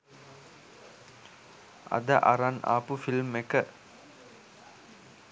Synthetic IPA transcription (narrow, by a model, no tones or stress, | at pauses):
a̰d̪əʔaɾana̰ːpufilmekə